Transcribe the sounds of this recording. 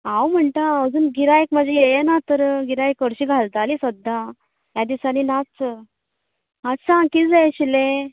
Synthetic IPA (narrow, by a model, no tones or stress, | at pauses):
ãwm̤əɳʈ̪aəd͡zuːnɡiɾajkməd͡ʑʱejejanat̪əɾɡiɾajkəɽɕiːɡʱalt̪alisəd̪ːa | jad̪isaninat͡s | ɦasãkid͡zajɕile